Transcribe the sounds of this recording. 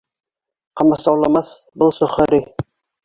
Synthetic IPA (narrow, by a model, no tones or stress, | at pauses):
qɑmɑsɑwlˠɑmɑθ | bɤlˠsŏχɤ̆ɾi